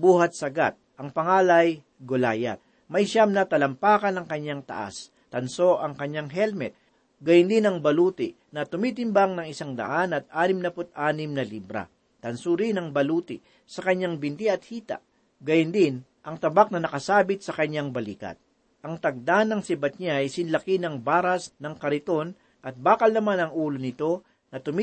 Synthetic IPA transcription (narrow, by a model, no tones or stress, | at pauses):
buːhɐt̪̚sɐɡa̰t̪̚ʔɐŋpɐŋaːlɐj | ɡolaːjɐ̰t̪̚ | mɐjʃamnɐt̪ɐlɐmpaːkɐnɐŋkɐɲːaŋt̪ɐ̰ʔa̰s | t̪ɐnso̞ʔɐŋkɐɲːaŋɦɛlmɛt̪̚ | ɡɐjʊnd̪inɐŋbɐlut̪ɪ | nɐt̪ʊmiːt̪ɪmbaŋnɐŋɪsaŋd̪ɐ̰ʔanɐt̪̚ʔaːnɪmnɐpʊt̪ʔaːnɪmnɐliːbɾɐ̰ | t̪ɐnsuɾinɐŋbɐluːt̪ɪ | sɐkɐɲaŋbɪnt̪iɐt̪̚hiːt̪ɐ̰ʔ | ɡɐjʊnd̪ɪn | ʔɐŋt̪ɐbak̚nɐnɐkɐsaːbɪt̪̚sɐkɐɲːaŋbɐliːkɐ̰t̪̚ | ʔɐŋt̪ɐɡ̚d̪anɐŋsɪbɐt̪̚ɲaɐjsɪnlɐkinɐŋbaːɾɐsnɐŋkɐɾɪt̪o̞n | ʔɐt̪̚baːkɐlnɐmanɐŋʔuːlonɪt̪o̞ | nɐt̪ʊmi